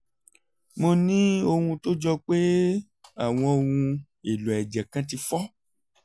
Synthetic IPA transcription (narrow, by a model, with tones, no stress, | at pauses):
mõ˧nĩ˦o˧hũ˧to˦d͡ʒɔ˧k͡pe˦ | a˦˨w̃ɔ̃˧o˧wũ˧ | e˨lo˨ɛ˨d͡ʒɛ˨kã˦ti˧fɔ˦